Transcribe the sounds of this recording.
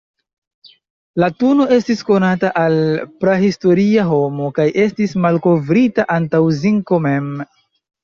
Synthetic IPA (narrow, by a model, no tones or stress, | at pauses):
latuno̞e̞stisko̞nataʔalpɾahisto̞ɾiaɦo̞mo̞kajʔe̞stismalko̞vɾitaʔantawziŋko̞me̞m